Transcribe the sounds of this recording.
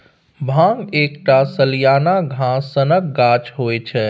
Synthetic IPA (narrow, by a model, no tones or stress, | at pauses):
bʱãŋɡeːkʈasəlijaːnaɡʱãsənək̚ɡat͡ʃɦoːet͡ʃʰɛ